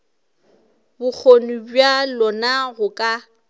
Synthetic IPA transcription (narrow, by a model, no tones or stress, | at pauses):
bʊk͡xʰonibɥalɔnaɣʊkʼa